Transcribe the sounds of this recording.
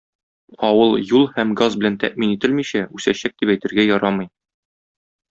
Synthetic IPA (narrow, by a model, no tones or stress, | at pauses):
ɒwɤlˠjulˠhæmɡazbɘ̆lænt̪æ̰ʔminit̪ɘlmiɕæʉsæɕæk̚d̪ipæjt̪ɘ̆ɾɡæjɒɾɑmɤ̆j